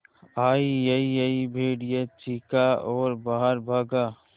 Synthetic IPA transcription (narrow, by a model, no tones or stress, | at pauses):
aːijəijəibʱeːɽjət͡ʃikaɔːɾbaːɦəɾbʱaːɡaː